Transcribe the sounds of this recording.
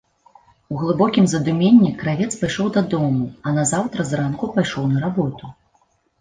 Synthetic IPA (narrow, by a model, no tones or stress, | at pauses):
uɣlˠɨbɔkʲimzɐd̪umʲenʲːikɾavʲɛt̪spajʂɔwd̪ad̪ɔmuɐnɐzawt̪ɾɐzɾankupajʂɔwnɐɾabɔt̪u